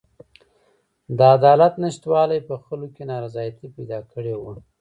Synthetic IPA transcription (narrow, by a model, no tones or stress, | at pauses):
d̪əad̪ɑlat̪nɪʃt̪wɑlajpəxəlokenɑɾazɑjat̪ipajd̪ɑkəɽewu